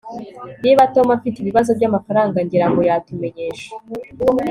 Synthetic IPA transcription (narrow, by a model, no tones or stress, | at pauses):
niβato̞mafiteiβiβazo̞b̚ɟamafaɾaːŋɡaɲɟiɾaŋɡo̞jatume̞ɲe̞ːʃḁ